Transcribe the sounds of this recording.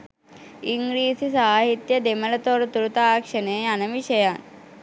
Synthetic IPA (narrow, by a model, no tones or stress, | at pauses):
iŋɡɾiːsisaːɦit̪jɐd̪emɐlɐt̪oɾt̪uɾut̪aːkʂɐneːɐnɐmiʃɐjaːn